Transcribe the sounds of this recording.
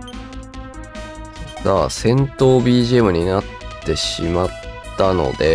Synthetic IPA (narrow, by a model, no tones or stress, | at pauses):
saːsẽ̞nt̪o̞ːbʲiːʑiemɯ̟ɲ̟inat̪ːe̞ɕimat̪ːano̞̰d̪e̞